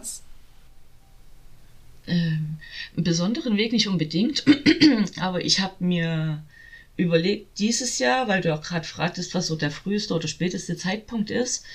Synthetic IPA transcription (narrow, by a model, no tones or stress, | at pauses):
ʔɛːmnbəzɔndəʁənveːknɪçtʔʊnbədɪŋkt | ʔaːbɐʔɪçhaːbəmiːɐ | ʔyːbɐleːk̚t̚d̥iːzəsjaːɐvaɪlduːaʊxɡ̥ʁaːdəfʁ̥aːk̚təstv̥asz̥oːdeːɐfʁ̥yːstəʔoːdɐʃpɛːtəstət͡saɪt̚pʰʊŋk̚tɪst